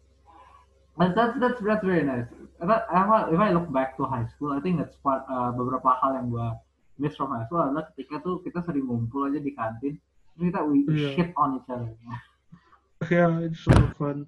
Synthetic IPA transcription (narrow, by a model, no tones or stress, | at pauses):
ad̪ɛtsd̪ɛtsd̪ɛtsɹɛɹinaɪsd̪aawaɪfajlʊk̚bɛk̚t̪uɦajskulajt̪ɪ̃ŋk̚d̪ɛtspat̪əbəbəɾapahaljaŋbua | mɪsfɔmhajskuladalahkə̥t̪ikat̪ukit̪asəɾɪŋːumpʊlad͡ʒadikant̪ɪn | t̪ɾʊskit̪awiʃɪt̪ɔnit͡ʃad̪əɲa | sjaɪsɔkʰan